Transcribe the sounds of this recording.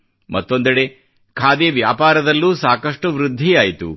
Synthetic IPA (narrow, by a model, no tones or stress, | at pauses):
mɐt̪ːo̞nd̪ɐɽe̞ | kʰaːd̪eʋjaːpaːɾɐd̪ɐlːuːsaːkɐʂʈuʋɾud̪ʱːijaːjit̪ṵ